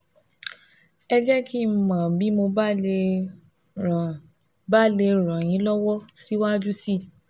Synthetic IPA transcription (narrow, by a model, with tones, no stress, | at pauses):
ɛ˧d͡ʒɛ˦kʰi˦m̩˨mã˨bi˨˦mo˧ba˦e˧˨ | ba˦le˧˨ɾ̃ã˨j̃ĩ˨˦lɔ˦wɔ˦si˦wa˦d͡ʒu˦si˦˨